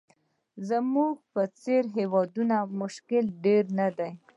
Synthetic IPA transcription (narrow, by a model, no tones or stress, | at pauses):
zamuɡ̚pət͡seɾɦewɑd̪unamʊʃkɪlɖeɾnad̪aj